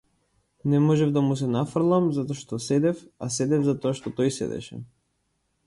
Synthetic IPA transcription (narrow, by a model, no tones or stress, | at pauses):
nɛmɔʒɛvd̪amus̬ɛnafrlˠamzat̪ɔʃt̪ɔsɛd̪ɛfa̰sɛd̪ɛvzat̪ɔaʃt̪ɔt̪ɔjsɛ̰d̪ɛ̰ʃɛ̰